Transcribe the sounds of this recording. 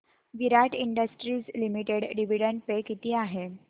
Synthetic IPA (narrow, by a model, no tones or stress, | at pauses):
ʋiɾaʈiɳɖəsʈɾiːd͡zlimiʈeɽɖiʋiɽəɳʈ̚pekit̪iːaɦe